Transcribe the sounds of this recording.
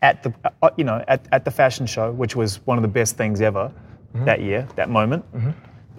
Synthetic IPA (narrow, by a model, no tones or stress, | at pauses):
ɨt̪̚ðɨjɨnoʊʔɨtɨt̪̚ðɨfæʃn̩ʃoʊwɨt͡ʃwʌzwʌ̃nʌvðəbɛst̪θɪ̃ŋzɛvə˞ðɨ̰ʔjʔɪɹðɨ̰t̚mõʊ̃mɨ̃nt̚